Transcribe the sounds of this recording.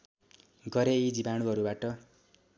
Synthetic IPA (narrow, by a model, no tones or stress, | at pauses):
ɡʌɾeid͡zibaɽ̃uɦʌɾubaʈʌ